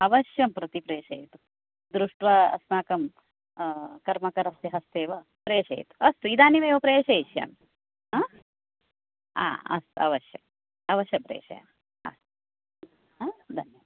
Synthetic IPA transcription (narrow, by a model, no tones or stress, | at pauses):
ɐʋɐʃjɐmpɾɐt̪ipɾeːʃɐjt̪u̥ | d̪ɾuʂʈʋɐɐ̰snaːkɐm | kɐɾmɐkɐɾɐst̪iɦɐst̪eːʋɐ | pɾeːʃɐ̰j̰t̪u̥ɐst̪uid̪aːniʋeːʋɐpɾeːʃɐːʃjɐ̰m | ɦaː | a̰ːɐ̰st̪uɐ̰ʋɐʃjɐ̰m | ɐʋɐʃjɐpɾḛːʃɐ̰ja̰m | ɐ̰st̪u | ɦaːd̪ʱɐnjɐʋɐ